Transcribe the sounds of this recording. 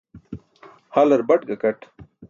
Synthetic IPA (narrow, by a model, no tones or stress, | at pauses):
hɐlɐɾbɐʈɡɐkɐʈ